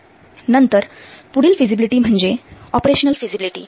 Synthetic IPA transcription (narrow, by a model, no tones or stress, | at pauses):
nənt̪əɾpuɽiːlfid͡ʑibiliʈiːm̤əɳd͡ʑeɔpɾeɕənəlfid͡ʑibiliʈḭː